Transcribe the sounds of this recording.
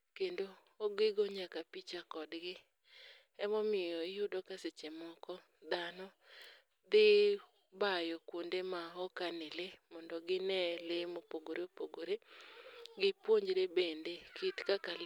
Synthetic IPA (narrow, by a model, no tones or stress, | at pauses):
kendo | oɡeɡoɲakapit͡ʃakɔdɡɪ | ɛmɔmɪjɔɪjʊdɔkaset͡ʃemɔkɔ | d̪anɔ | d̪ɪ | bajɔkwondemaɦɔkanɪlemɔndɔɡɪnɛlemopoɡoɾeopoɡoɾe | ɡɪpwoɲd͡ʒɾebendekʰitkakal